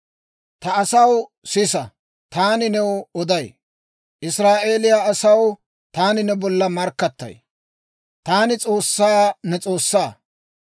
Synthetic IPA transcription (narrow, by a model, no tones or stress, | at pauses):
t̪ɐːsɐw | sɪsɐ | t̪aːnɪnɛwɔd̪ɐj | ʔɪsɾaːʔe̞ːlɪjaɐsɐw | t̪aːnɪnɛbɔlːɐmɐɾkːɐt̪ːɐ̰j | t̪aːnɪt͡sʼo̞ːsːaːnɛt͡sʼo̞ːsːaː